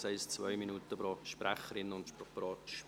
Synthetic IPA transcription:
sɛɪst͡sʋœʏminuːtəb̥ɾɔʃpɾæχəɾɪnʊntʃpɔpɾɔːʃ

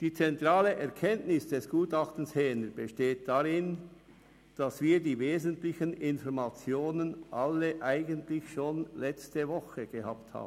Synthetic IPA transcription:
d̥iːt͡sɛntʁaːləʔɛʁkʰɛntnɪsd̥ɛsɡ̥uːtɑχtn̩shɛːnəb̥əʃteːt̚d̥aʁɪn | d̥asv̥iːdiːveːzəntlɪçənɪnvɔɐmat͡sjoːnənʔɑləʔaɪɡəntlɪçʃoːnlɛt͡stəvɔχəɡ̥əha̰ːp̚tha̰ːb̩

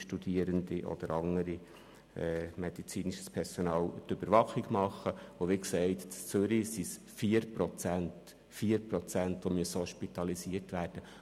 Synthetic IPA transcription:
ʃtud̥̪iəɾənd̪iʔɔ̰d̪̥əɾɑŋːəɾi | ɛːmɛd̥̪it͡siːniʃə̥spʰɛɾsɔnɑːlt̪øb̥əɾʋɑχiɡmɑχːəʊʋɪksɛɪt̪t͡st͡søɾisis | fiəɾpɾɔt͡sænt | fiːəɾpɾɔt͡sæntʋomyəsoːʃpit̪ɑlisiəɾtʋæːɾd̥ə

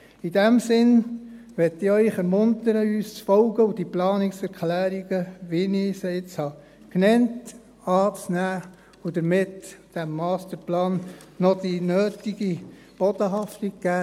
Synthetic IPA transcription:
idæmsɪn | ʋɛtːɪœʏχɛmʊntəɾəyːst͡sfɔlɡəʊd̥iplɑːnɪksɛɾklæːɾiɡəʋinisəɪt͡shɑ | knɛnt | ɑːt͡snæː | ʊdəɾmɪtd̥æmːɑːstəɾplɑːnːɔd̥inøːtiɡi | b̥ɔdəɦɑftikɡæː

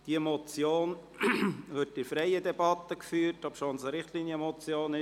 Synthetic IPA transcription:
d̥iəmɔt͡sjoːn | ʋɪtɪfɾɛjədɛbɑt̪ːəkfyːɾtɔpʃonsəɾɪχtliːnjəmɔt͡sjoːnɪ

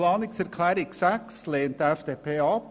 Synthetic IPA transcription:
lɑːnɪksæɾkʰlæːɾɪksæksleɪnt̪əɛfd̪eːpʰeːɔp

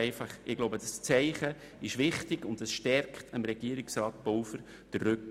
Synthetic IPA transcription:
ɪfɑχɪɡ̥loʊbədɑst͡sɛɪχə | ɪʃʋɪχtɪɡʊndəsʃtɛrkχtʰəmɾɛɡ̥iəɾɪksrɑːt̚b̥ɔwfəɾ | d̥əːʏk

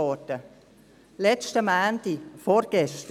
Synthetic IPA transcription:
ɔːtə | lɛstəmaːntifoɾɡ̥ɛst

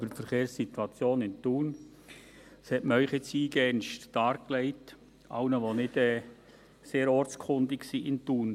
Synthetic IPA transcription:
b̥əfəɾkeːɾsːituɑt͡sjoːnɪntuːn | shɛtməœʏχɛt͡siːɡɛnʃttɑːɾklɛɪt | ʔɑʊnəʋonɪdɛː | seːɾɔɾt͡skʰʊndɪksiʔɪntuːn

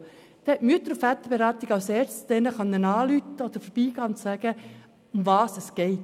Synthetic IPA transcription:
d̪̥ɛɛtmyət̪əɾfæt̪əɾb̥eɾɑːt̪ɪɡɑlsɛːɾstdɛnəχɑnːənɑːlyt̪əɔd̥̪əɾfəɾb̥iːɡ̥ɑːʊnt̪sæɡ̥ə | ʊmvɑːsɛsɡ̥ɛɪt

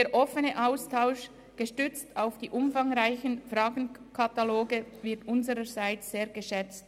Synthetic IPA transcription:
deːɾʔɔfənəʔaʊstʰaʊʃ | ɡ̥əʃtʏt͡stʰaʊfd̥iːʔʊmfɑŋʁaɪçənfrɑːɡn̩kʰɑtaloːɡəvɪɐtʊnzəɾəɾzaɪt͡sseːɐɡəʃɛt͡st

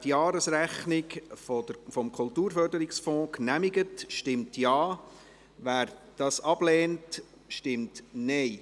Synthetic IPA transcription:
tjɑːɾəsɾæχnɪkəfɔmkʰʊltuːɾfœɾdəɾɪksfɔ̃ːknæmɪɡətʃtɪmtjɑː | ʋæːɾd̥ɑːsɑb̥lɛːnt | ʃtɪmtnɛɪ

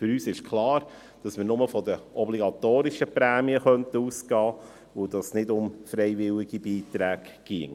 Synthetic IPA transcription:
fʏɾyːsɪʃkʰlɑːɾ | d̥ɑsmɪːɾnʊməfɔdəʔɔbliɡɑt̪oːɾɪʃəpɾæːmiəχœntuːsɡ̥ɑː | ʊd̥ɑsnɪdʊmfɾɛɪvɪlɪɡibiːt̪ɾæːɡ | ɡ̥iəŋ

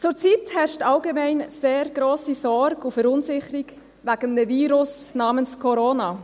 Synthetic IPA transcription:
t͡sʊɾt͡sithɛʃtalɡemɛɪnseːɾɡɾoːsisɔɾɡufəɾʊnsɪχəɾiɡ | væɡ̥əmdəviːɾʊsnɑːmənskʰɔɾona

